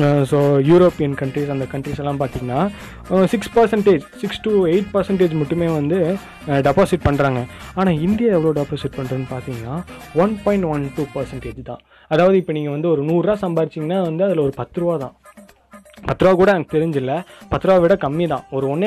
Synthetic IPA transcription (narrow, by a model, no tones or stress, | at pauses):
soːjuːɾoːpijɐnkɐɳʈɾisɐnd̪ɐkɐɳʈɾiːsɛlːãːpaːɾt̪iːŋɡɐnːaː | sɪkspɐɾsɛɳʈeːd͡ʒsɪksʈueɪʈpɐɾsɛɳʈ̬eːd͡ʒmʊʈːɯmeːʋɐnd̪ɯ | ɖɛpaːsɪʈ̚pɐɳːɾaːŋɡɐaːnaːɪnd̪ɪjaːɛʋːɐɭoːɖɛpaːsɪʈ̚pɐɳːɐðɯnːɯpaːɾt̪iːŋɡɐnaːʋɐnpɔːɪ̃ɳʈʋɐnʈuːpɐɾsɐɳʈeːd͡ʒt̪ã̰ː | ɐðaːʋɐðɯɪpːɐniːŋɡɐʋɐnd̪ɯɔɾɯnuːraːsɐmbaːðɪt͡ʃːɪːŋɡɐnːaːʋɐnd̪ɯɐðɪlɐɔɾɯpɐt̪ːɯɾɯʋaːt̪ã̰ː | pɐt̪ːɯɾɯʋaːkuːɽɐɛnɐkɯt̪ɛɾɪɲd͡ʒɪlːɐpɐt̪ːɯɾɯʋaːʋɪːɽɐkɐmːit̪ãːɔɾɯɔnː